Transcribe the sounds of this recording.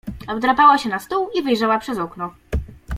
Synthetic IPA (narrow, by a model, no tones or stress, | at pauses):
ɔbd̪ɾapawaɕɛnast̪uwivɘjʐawapʂɛzɔknɔ